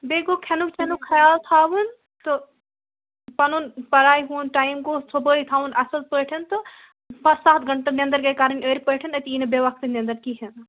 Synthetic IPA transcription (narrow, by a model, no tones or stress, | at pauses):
beːɡokʰɛnukt͡ʃʰɛnukkʰːɐjaːlt̪ʰaːʋɨn | tt̪o | pɐnunpɐɾaːiɦunʈaːimkosʰobəːit̪ʰaːʋunʔɐsɐlpəːʈʰɐnt̪o | pɐsaːt̪ʰɡɐɳʈɐnʲẽnd̪ɐɾkekaːɾənʲəːɾipəːʈʰɐnɐt̪iiːnɐbeːʋɐkt̪inʲɐ̃nd̪ɐɾkiɦɐn